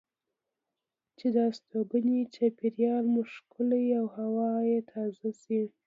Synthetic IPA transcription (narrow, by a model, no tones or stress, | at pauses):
t͡ʃed̪ɑst̪obənit͡ʃapiɾjɑlmʊʃkʊlaawhawɑjet̪ʰɑzasi